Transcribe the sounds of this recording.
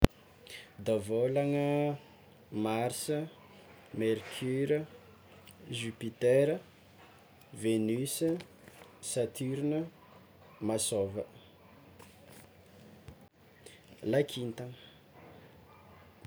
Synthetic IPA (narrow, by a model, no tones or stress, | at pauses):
d̪avolaŋə | maɾsə | merkʰyɾə | ʒypit̪ɛɾə | venysə | sat̪ʰyɾnə | masovə | lakʰint̪aŋ